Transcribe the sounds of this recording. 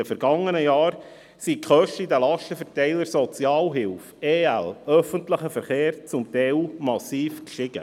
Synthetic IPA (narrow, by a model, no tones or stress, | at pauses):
əfɛɾɡ̥ɑŋːənəjɑːɾ | sikχœʃtəidəlɑʃtəfɛɾtɛɪləɾsɔt͡sjɑːlɦɪlfeːælœfəntləχəfəɾχeːɾt͡sʊmtɛumɑsiːfkʃtɪɡ̥ə̰